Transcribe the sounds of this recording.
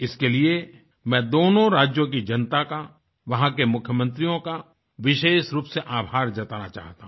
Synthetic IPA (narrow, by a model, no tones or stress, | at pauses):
ɪskelie | mɛ̃ːd̪oːnõɾaːd͡ʒjõk̬id͡ʒɐnt̪aka | ʋɐɦãkemʊkʰjəmə̃nt̪ɾijõka | ʋɪʃeːʃɾuːpseʔaːbʱaːɾd͡ʒɐt̪aːnat͡ʃa̰ːɦt̪ã